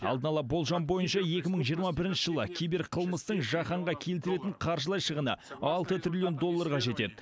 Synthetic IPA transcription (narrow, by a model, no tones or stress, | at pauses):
ɑ̰lˠd̪ənɑlˠɑbo̞lˠʒɑmbo̞jənʃɑje̞kʲɪməɴʒijəɾmɑbɪɾɪnʃəʒəlˠəkʲʰejbɪɾqʰəlˠməst̪əɴʒɑχɑɴʁɑkʲʰe̞lt̪ɪɾe̞t̪ɪɴqʰɑɾʒəlˠɑjʃəʁənə̰ɑlˠt̪ət̪ɾʲilʲijond̪o̞lːɑɾʁɑʒe̞t̪e̞̰d̪ɪ